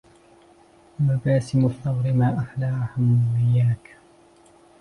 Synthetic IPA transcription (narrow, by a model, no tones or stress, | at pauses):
mabaːsɪmʊθːɑwɾɪmaːʔaxlaːhʊmwɪjːaːk